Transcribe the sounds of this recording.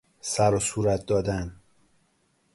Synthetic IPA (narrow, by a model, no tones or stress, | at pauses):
sæɾosuːɾæt̪̚ʰd̪ɒːd̪æn